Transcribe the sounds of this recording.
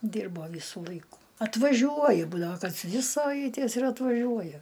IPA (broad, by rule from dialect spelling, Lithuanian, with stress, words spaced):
ˈdʲiːrboː ˈʋʲiːsʊ ˈlˠɐɪkʊ ɐtʋɐˈʒʲuɔjɛ ˈbuːdɐʋoː kɐs ˈdʲʋʲɪ sɐˈʋɐɪtʲeːs ɪr ɐtʋɐˈʒʲuɔjɛ